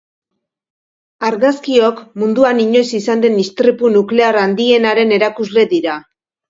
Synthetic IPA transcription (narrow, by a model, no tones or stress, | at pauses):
aɾɣaskio̞kmund̪uaniɲo̞jsisand̪e̞nist̪ɾipunukle̞aɾand̪ie̞naɾe̞ne̞ɾakuzle̞ðiɾa